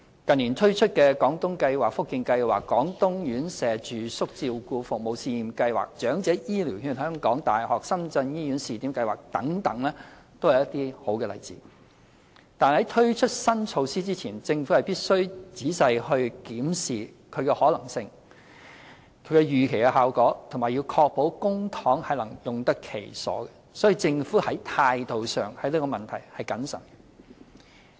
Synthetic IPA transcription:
kɐ˨˩ni˨˩nt̪ʰɵ˥ɥt͡ʃʰɵ˥t̚kɛː˧kɔː˨˥ŋt̪ʊ˥ŋkɐ˧jwaː˨k̚fʊ˥kːɪ˧ŋkɐ˧jwa̰ː˨˩kːɔː˨˥ŋt̪ʊ˥ŋjyː˨˥nsɛː˨t͡ʃyː˨˩sʊ˥k̚t͡siː˧wkuː˧fʊ˨k̚mo˨wsiː˧jiː˨˩mkɐ˧jwa̰ː˨˩k̚t͡ʃœː˨˥ŋt͡sɛː˨˥jiː˥li˨˩whyː˧nhœː˥ŋkɔː˨˥ŋt̪aː˨˩jhɔː˨˩k̚sɐ˥mt͡sɐ˧njiː˥jy˨˥nsiː˨t̪iː˨˥mkɐ˧jwaː˨k̚t̪ɐ̰˨˥ŋt̪ɐ˨˥ŋlɛː˥ | t̪o˥whwjɐ˥t̪iː˥ho˨˥wkɛː˧lɐ̰˨jt͡sḭː˨˥ | t̪aː˨nhɐ˨˥jt̪ʰɵ˥ɥt͡ʃʰɵ˥t̚sɐ˥nt͡sʰo˧wsiː˥t͡siː˥t͡sʰiː˨˩nt͡sɪ˧ŋfu˨˥hɐ˨jpiː˥t̚sɵ˥ɥt͡siː˨˥sɐ˧jhɵ˧ɥkiː˨˥msiː˨ | kʰɵ˨˧ɥkɛ˧hɔː˨˥lɐ˨˩ŋsɪ˧ŋ | kʰɵ˨˧ɥkɛ˧jyː˨˩kʰe˨˩jkɛ˧haː˨wkɔː˨˥t̪ʰŋmaː˨jiː˧wkʰɔː˧k̚po˨˥wkʊ˥ŋt̪ʰɔː˨˥ŋhɐ˨jlɐ˨˩ŋjʊ˨˩ŋt̪ɐ˥kʰe˨˩jsɔ̰ː˨˥ɡɛ˧sɔː˨˥jiː˨˧t͡sɪ˧ŋfuː˨˥hɐ˨˥jt̪ʰaː˧jt̪o˨wsœː˨ŋhɐ˨˧˥jliː˥kɔː˧mɐ˨nt̪ʰɐ˨˩jhɐ˨jkɐ˨˥nsɐ̰˨˩nɡɛ˧

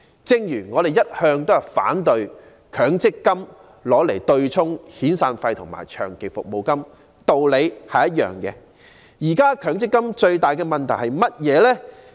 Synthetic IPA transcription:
t͡sɪ˧˥ŋjyː˨˩ŋɔː˨˧ɾe˨jɐ˥t̚hœː˧ŋt̪o˥whɐ˨˩fa̰ː˨˥nt̪ɵ˧ɥ | kʰœː˨˥ŋt͡sɪ˥kːɐ˥m | lɔː˨˥le˨˩jt̪ɵ˧ɥt͡sʰʊ˥ŋhiː˨˥nsaː˧nfɐ˧jt̪ʰʊ˨˩ŋma̰ː˨˩jt͡ʃʰœː˨˩ŋke˨˩fʊ̰˨k̚mo˨wkɐ˥m | t̪o˧wle˨˧jhɐ˨jɐ˥t̚jœ̰ː˨ŋkɛː˧ | jiː˨˩kaː˥kʰœː˨˥ŋt͡sɪ˥kːɐ˥mt͡ʃɵ˧ɥt̪aː˨˩jkɛ˧mɐ˨nt̪ʰɐ˨˩jhɐ˨jmɐ˥t̚jɛː˨˧lɛː˥

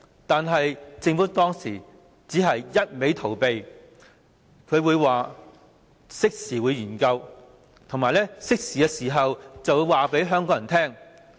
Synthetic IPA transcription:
t̪aː˨nɦɐ˨jt͡sɪ˧ŋfuː˨˥t̪ɔː˥ŋsḭː˨˩ | t͡siː˨˥ɦɐ˨jjɐ˥t̚me˨˥jt̪ʰo˨˩wpe˨j | kʰɵ˨˧ɥwuː˨˧jwaː˨ | sɪ˥k̚siː˨˩wuː˨˧˥jyː˨˩nkɐ˧w | t̪ʰʊ˨˩ŋmaː˨˩jlɛː˥sɪ˥k̚siː˨kɛː˧siː˨˩ɦɐ˨wt͡sɐ˨wu˨˧˥waː˨pe˨˥jɦœː˥ŋkɔː˨˥jɐ˨˩nt̪ʰɛː˥ŋ

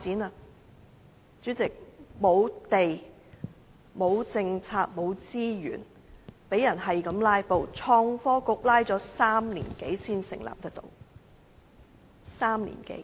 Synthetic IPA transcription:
t͡siː˨˥nɐ˨˧ | t͡syː˨˥t͡sɪ˨k̚mo˨˧wt̪e˨j | mo˨˧wt͡sɪ˧ŋt͡sʰaː˧k̚mo˨˧wt͡siː˥jy̰ː˨˩n | pe˨˥jːɐ˨˩nɦɐ˨jkɐ˨˥mlaː˥jpo˨˧wt͡sʰɔː˧ŋfɔː˥kʊ˨˥k̚laː˥jt͡sɔː˨˥saː˥mlḭː˨˩nke˨˥jsiː˥nsɪ˨˩ŋla̰ː˨p̚t̪ɐ˥k̚t̪o̰˧w | saː˥mlḭː˨˩nkḛ˨˥˦j

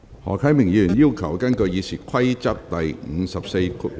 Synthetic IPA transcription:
hɔ̰ː˨˩kʰɐ˨˥jmɪ˨ŋjiː˨˧yː˨˩njiː˥wkʰɐ˨˩wkɐ˥nkɵ˧ɥjiː˨˧sʰiː˨˩kʰɐ˥jt͡sɐ˥k̚t̪ɐ˨jŋŋ̩˨˧sɐ˨p̚se˧jkʰ

